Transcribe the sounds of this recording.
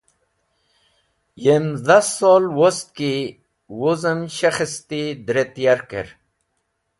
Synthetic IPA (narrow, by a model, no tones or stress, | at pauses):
jemzasːolwost̪̚ki | wozəmɕaχist̪id̪ɾet̪ijaɾkḛɾ